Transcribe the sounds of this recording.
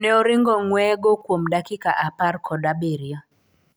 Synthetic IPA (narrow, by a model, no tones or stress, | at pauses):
nɛɔɾɪŋɡɔŋwɛɡokwomdakika̰ʔaparkɔdabeɾia